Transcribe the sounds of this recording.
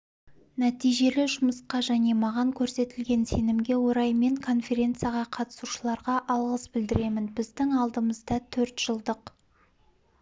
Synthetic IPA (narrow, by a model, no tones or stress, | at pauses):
næt̪ijʒe̞lɪʒʊməsqɑʒæne̞mɑʁɑŋkʲʰɵɾse̞t̪ɪlɡʲe̞nse̞nɪmɡʲe̞woɾɑjme̞ŋkʰo̞nfʲe̞ɾʲe̞nt̪sɨjaʁɑqʰɑt̪ə̥suʃəlˠɑɾʁɑʔɑlˠʁəsbɪld̪ɪɾe̞mɪnbɪzd̪ɪŋɑlˠd̪əməzd̪ɑt̪ʰɵɾt̪ʒ̥əlˠd̪əq